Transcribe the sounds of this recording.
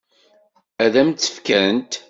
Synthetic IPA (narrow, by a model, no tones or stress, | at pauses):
æðæmt͡sːə̥fkæənt̪